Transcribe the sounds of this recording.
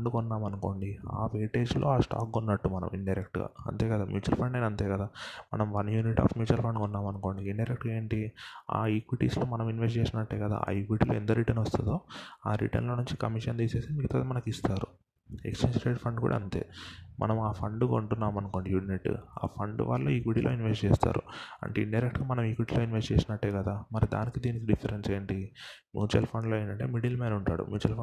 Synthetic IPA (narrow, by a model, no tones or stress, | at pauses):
ɖukunːaːmɐnuko̞̰ːɳɖia̰ːʋeːʈe̞ːd͡ʒloːaːsʈa̰ːkɡunːɐʈːumɐnɐ̰miɳɖɐjɾek̚ʈɡa̰ːɐ̰nt̪e̞ːkɐd̪aːmjuːt͡ʃɐɾpʰɐɳɖeːnɐnt̪eːkɐd̪aːmɐ̰nɐmʋɐnjuːniʈːa̰ːfmjuːt͡ʃɐɾpʰɐɳɖkunːaːmɐnuko̞ːɳɖiiɳɖɐjɾek̚ʈɡeːɳʈia̰ːikʋiʈḭːslo̞ːmɐnɐminʋes̬ʈd͡ʒeːʂɐnɐɳʈːeːkɐd̪a̰ːa̰ːikʋiʈiːloːent̪ɐɾiʈɐnʋɐst̪ud̪oːaːɾḭʈɐ̰nlo̞ːnuɲt͡ʃi̥kɐmiʂɐnt̪iːse̞ːsimikɐt̪ɐːd̪imɐnɐkist̪aːɾu | ḛkst͡ʃeːnʈɾeːʈpʰɐɳɖkṵːɽa̰ɐnt̪ḛːmʔɐ̰nɐmaːpʰɐɳɖɡouɳʈunːaːmɐnko̞ːɳɖijuniʈːa̰ːpʰɐɳɖʋa̰ːɭːoːikʋiʈiːlo̰ːinʋesʈt͡ʃeːst̪a̰ːɾṵɐ̰ɳʈeɖɐjɾekʈɡaːmɐnɐmikʋiʈilo̞ːinʋesd͡ʒeːsɐnɐʈːeːkɐd̪aːmɐɾid̪a̰ːnikid̪iːnikiɖipʰːɐɾenseːɳʈimjṵːt͡ʃɐ̰lpʰɐɳɖloːɐjɳɖɐɳʈe̞ːmiɽilmeːnɐuɳʈaːɽṵmjuːt͡ʃɐlp